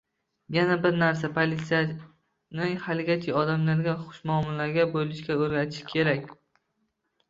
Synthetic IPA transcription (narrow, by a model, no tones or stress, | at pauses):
janabɪɾnaɾs̬apʰolit̪sija | nɪhalɪɡʲat̪ʰɪɒd̪amlaɾɡʲaχʊ̥ʃmɒːmɪlaɾɡʲabojlɪʃkʲaɵɾɡʲat̪ʰɪ̥ʃkʲʰe̞ɾakʲ